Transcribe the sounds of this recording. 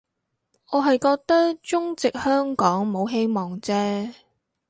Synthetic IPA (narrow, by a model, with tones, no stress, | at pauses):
ɔː˨˧ɦɐ˨jkɔː˧k̚t̪ɐ˥k̚t͡ʃʊ˥ŋt͡sɪ˨k̚hœː˥ŋkɔː˨˥ŋmo˨˧wɦe˧jmɔː˨˩ŋt͡sɛː˥